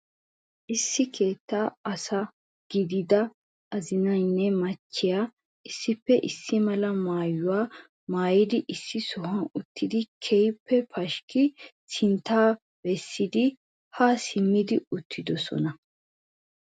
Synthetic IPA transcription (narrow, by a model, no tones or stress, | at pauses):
ʔɪsːɪkʰe̞ːt̪ːaːɐsɐ | ɡ̥ɪd̪ɪd̪ɐ | ʔɐzɪnɐjnːɛmɐt͡ʃːɪjaː | ʔɪsːɪpːɛʔɪsːɪmɐlɐmaːjʊwaː | maːjɪd̪ɪʔɪsːɪsɔhɐnʊt̪ːɪd̪ɪkʰɛjpːɛpʰɐʃkɪ | sɪnt̪ːaː | bɛsːɪd̪ɪ | hasɪmːɪd̪ɪʊt̪ʰːɪd̪ɔsɔ̰nɐ